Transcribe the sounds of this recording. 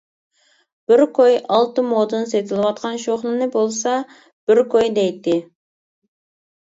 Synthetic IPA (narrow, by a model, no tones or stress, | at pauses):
b̥ɪɾkʰojɑlˠt̪ɨmod̪ɨnset̪ʰɪlˠɪwɑt̪̚qʰɑnʃoχnˠɨnɨbolˠsɑ | b̥ɪɾkʰojd̪ɛjt̪ːɪ